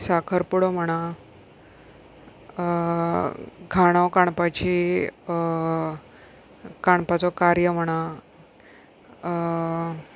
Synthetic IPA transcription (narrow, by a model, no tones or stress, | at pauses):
sakʰəɾpuɽɔməɽ̃a | ɡʱaɽ̃awkaɳ̃pat͡ɕi | kaɳpat͡sɔkaɾjəm̤əɽ̃a